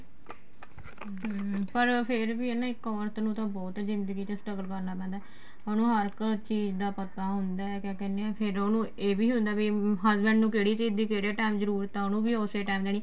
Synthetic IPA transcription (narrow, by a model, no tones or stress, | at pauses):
pəɾpʰɪɾʋiːenãːɪkɔːɾt̪nũːt̪ãːbɔːt̪zɪnd̪əɡiːt̪esʈəɡəlkəɾnaːpɛ̃ːnd̪aɛː | oːnũːɦəɾkt͡ʃiːd͡ʒd̪aːpət̪aːɦʊ̃nd̪aːɛkɛ̃ːkɛːnːeɛ̃ːpʰɪɾoːnũːeːbiːɦʊ̃nd̪aːbiɦəzbɛ̃ɳɖnũːkeːɽiːt͡ʃiːd̪iːkeːɽeːʈɛːmzəɾuːɾt̪ãːoːnũːbiːoːseːʈaːmd̪eːniː